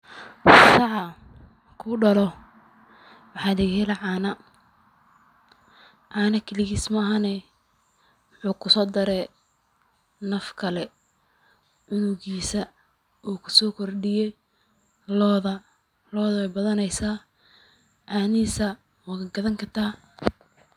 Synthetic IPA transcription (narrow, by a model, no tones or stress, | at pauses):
sɑʕɑ | kʰʊɖɐlɔ | wɑħɑːlɪɣhɛlɐʕɑːnɐ | ʕɑːnɐkʰɪlɪɣiːsmɐɐɦanɛ | wʊħuːkʰʊsɔːd̪ɐɾɛː | nɐfkʰɐlɛ | ʕʊnʊɣiːsɐ | uːkʰʊsɔːkʰɔrɖɪjɛ | lɔːðɐ | lɔːðɐwɛbɐðɐnɛjsaː | ʕɑːniːsɐ | wɑɣɐɡɐðɐŋkʰɐt̪ʰaː